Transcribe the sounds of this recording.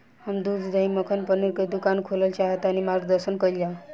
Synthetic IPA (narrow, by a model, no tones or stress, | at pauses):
hamd̪ud̪d̪əiməkʰənpəniɾkəd̪ukankʰoləlt͡ɕaɦet̪añimaɾɡd̪əɾsənkəjla